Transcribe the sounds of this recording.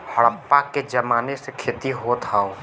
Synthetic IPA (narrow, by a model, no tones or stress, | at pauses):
hɐɽəpːaked͡ʒɐmaːnesekʰeːt̪iɦot̪ʰaːoː